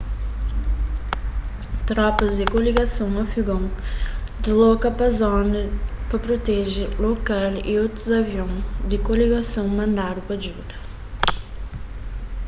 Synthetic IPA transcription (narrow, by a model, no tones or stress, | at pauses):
t̪ɾɔpɐzd̪ɪkoliɡɐsɐ̃w̃mɐfiɡõw̃d̪ɪzlɔkɐpɐzɔnɐpɐpɾot̪ɛʒɪlokalḭot̪ɾuzɐvjõŋ̃d̪ɪkoliɡɐsɐ̃w̃mɐ̃nd̪aɾʊpɐʒud̪ɐ